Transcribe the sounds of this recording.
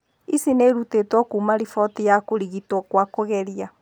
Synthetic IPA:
isineɾutetwɔkuːmaɾifɔtijakoɾiɣitwɔkwakoɣɛɾia

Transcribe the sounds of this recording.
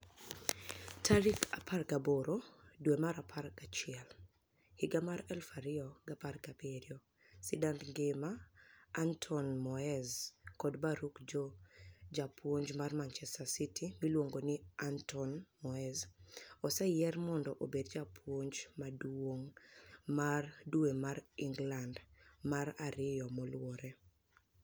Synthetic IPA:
tʰaɾikapʰarɡaboɾodwemaɾapʰarkat͡ʃɪɛl | hɪɡamaɾɛlfaɾɪɔɡaparɡapeɾio | sidantŋɡemaː | ntʰɔnmɔɛzkɔdbaɾukd͡ʒod͡ʒapwoɲd͡ʒmarmant͡ʃɛstasitʰimilwoŋɡonɪantʰɔnmɔɛzɔsɛjɛrmɔndɔʔobedd͡ʒapʰwoɲd͡ʒmadwoŋmarduemaɾiŋɡlandmaɾaɾɪjɔmɔlwɔɾɛ

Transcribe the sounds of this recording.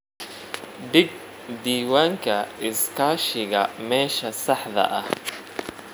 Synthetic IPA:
ɖɪɡ̚ | d̪iːwaːŋkʰɐɪskʰaːʃɪɣɐmɛːʃɐsɑħðɐ̰ʔɐh

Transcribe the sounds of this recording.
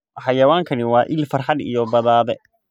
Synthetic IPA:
ħɑjɐwaːŋkʰɐnɪwɑːʔɪlfɐrħɑd̪ḭjɔbɐðaːðɛ

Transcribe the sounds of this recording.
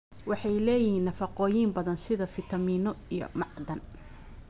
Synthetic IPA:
wɑħɑjlɛːjɪhiːnːɐfɑqɔːjiːmbɐðɐnsɪðɐfɪt̪ʰɐmiːnɔijɔ̰mɑʕd̪ɐn

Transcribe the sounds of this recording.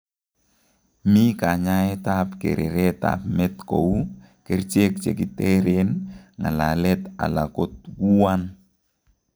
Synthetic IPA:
mikaɲaɛtapkḛɾʔḛɾɛta̰pmɛt̪kow | kɛrt͡ʃek̚t͡ʃḛkitɛɾenŋalalɛt̪a̰lakot̪̚ɡuan

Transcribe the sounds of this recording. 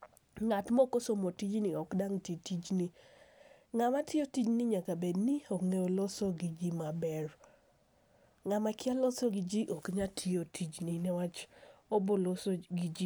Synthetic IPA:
ŋatmɔkosomotid͡ʒniɔkdaŋtitid͡ʒni | ŋamatʰɪotid͡ʒniɲakabedniɔŋejolɔsɔɡid͡ʒimabɛr | ŋamakɪalɔsɔɡɪd͡ʒiʔɔkɲatʰɪotʰid͡ʒninɛwat͡ʃobolosoɡid͡ʒi

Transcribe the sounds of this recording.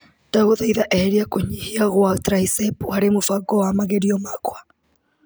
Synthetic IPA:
d̥aɣoðaiðaʔɛhɛɾiakoɲihiaɣwatɾaisɛpuhaɾemofaɡɔwamaɣeɾiɔmakwa

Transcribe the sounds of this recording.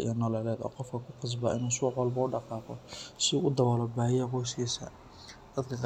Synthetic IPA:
ḭjɐnɔlɛːlɛːd̪ɔ̰ːqɔfkʰɐkʰʊqɑs̬bɐʔɪnuːsuːħɔlbɐʊɖɑqɑːqɔsɪʔʊd̪ɐβɔːlɔbaːjjɛqɔjsiːsɐ̰ | d̪̥ɐd̪kʰɐk

